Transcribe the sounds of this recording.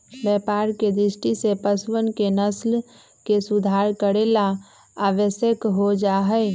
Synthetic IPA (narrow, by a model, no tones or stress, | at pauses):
bɛːpaːɾked̪ɾɪʃʈisepəswənkenəsl | kesʊd̪ʱaːɾkəɾela | aːʋəsjəkɦod͡ʒaːɦɛː